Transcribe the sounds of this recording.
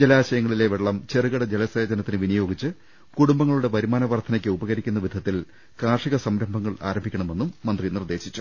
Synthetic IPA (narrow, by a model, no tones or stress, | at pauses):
d͡ʑelaːɕɐjɐŋːɐɭile̞ʋeɭːɐmt͡ɕerɨɣɐɽɐd͡ʑelɐseːd͡ʑɐnɐt̪ːinɨʋinɐjo̞ːɡit͡ɕːɨ | kuɽumbɐŋːɐɭuɽe̞pɐɾimaːnɐʋɐrt̪ʰɐnɐkʲːɨubɐɣɐɾikʲːunːɐʋid̪ʱɐt̪ːil | kaːʂiɣɐsɐmɾɐmbʱɐŋːɐɭa̰ːɾɐmbʱikʲːɐɳɐme̞nːumːɐnd̪rinird̪e̞ːɕit͡ɕːu̥